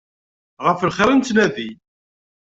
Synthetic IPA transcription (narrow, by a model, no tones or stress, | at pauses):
ʁəflχəɾənt͡s̪næði